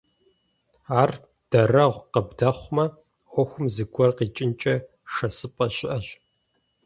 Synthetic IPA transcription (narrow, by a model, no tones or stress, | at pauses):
aːr | d̥ɐrɐʁʷqəbdɐχʷmɐ | ʔʷɔxʷʊmzɨɡʷɔrqiːt͡ʃʼɪnt͡ʃʼɐ | ʂɐsɨpʼɐɕʼɪʔɐɕ